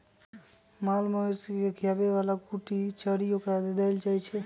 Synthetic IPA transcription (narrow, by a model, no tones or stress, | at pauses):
malməeskekʰijabeʋalakuʈit͡ʃəɽiokɾad̪ed̪ɛld͡ʒat͡ʃʰɛ